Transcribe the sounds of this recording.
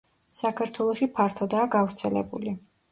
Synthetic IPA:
sakʰaɾt̪ʰwɛlˠɔʃipʰaɾt̪ʰɔd̪aːɡavɾt̪sʰɛlɛ̰buli

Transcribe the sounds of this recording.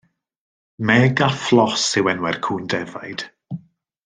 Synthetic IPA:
mɛɡaflˠɔsɪwɛnwɛrkʰuːndɛvajd̥

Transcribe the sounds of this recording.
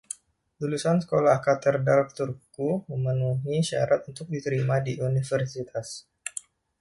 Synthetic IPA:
lulusansə̥kolahkat̪ərdalft̪urkuməmənuɦiʃa̰ɾat̪unt̪ʊk̚dit̪əɾimadiʔunifərsit̪ʰas

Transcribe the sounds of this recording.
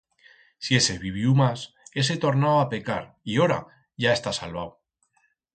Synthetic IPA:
sie̞se̞βiβ̞iumas | e̞set̪o̞ɾnawape̞ka̰ɾ | ioɾa̰ | ʝae̞st̪asa̰lβaw

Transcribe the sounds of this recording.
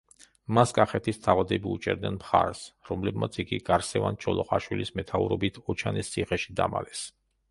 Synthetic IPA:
maskʼaχɛt̪ʰist̪ʰavad̪ɛbiut͡ʃʼɛ̰ɾd̪nɛnmχaɾɛsɾɔmlɛbmat̪sʰiɡiɡ̥aɾsɛvant͡ʃʰɔlˠɔχʼaʃwilismɛt̪ʰauɾɔbit̪ʰɔt͡ʃʰanɛst̪sʰiχɛʃid̪ama̰lɛs

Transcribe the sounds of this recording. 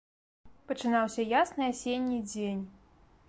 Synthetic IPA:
pɐt͡ʂɨnawsʲɐjasnɨasʲenʲːid͡zʲenʲ

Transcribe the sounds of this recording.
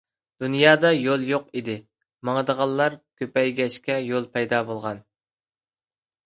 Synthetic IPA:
d̪̥unjɑːd̪ɑjolˠjoqid̪ɪ | mɑŋəd̪əʁɑlˠːɑɾkʲʰøpɛjɡʲɛʃkʲɛjolˠpʰɛjd̪ɑːbolˠʁɑn

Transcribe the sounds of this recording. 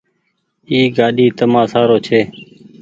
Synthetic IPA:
iːɡaːɗiːt̪əmãːsaːɾoːt͡ʃʰeː

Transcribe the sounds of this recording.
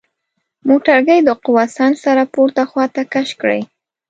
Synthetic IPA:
moʈaɾɡəjd̪əqʊwasɑnsaɾapoɾt̪axwɑt̪akaʃkɽə̰j

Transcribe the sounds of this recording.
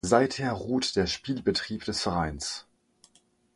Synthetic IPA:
zaɪtheːɐʁuːtd̥eːɐʃpiːlbətʁ̥iːpd̥ɛsfɛʁaɪns

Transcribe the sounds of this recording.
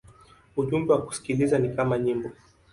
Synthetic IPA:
uʄumbɛwaku̥si̥kilizanikamaɲimbɔ

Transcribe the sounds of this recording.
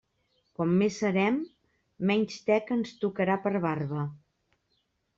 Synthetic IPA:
kɔmːesːəɾɛmː | ɛɲʲst̪ɛkənst̪ukəɾapəɾβarβə

